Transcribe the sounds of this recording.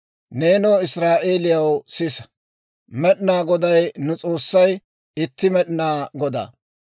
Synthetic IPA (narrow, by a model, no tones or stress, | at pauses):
ne̞ːnoːɪsɾaːʔe̞ːlɪjɐwsɪs | mɛɗɪnaːɡɔd̪ɐjnʊt͡sʼo̞ːsːɐj | ɪt̪ːɪmɛɗɪnaːɡɔd̪a̰ː